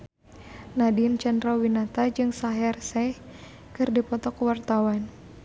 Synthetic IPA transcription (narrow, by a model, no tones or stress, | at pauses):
nadint͡ʃandɾawinat̪ad͡ʒɨŋsaɦɛrsɛh | kɨrdipɔt̪ɔkuwart̪awan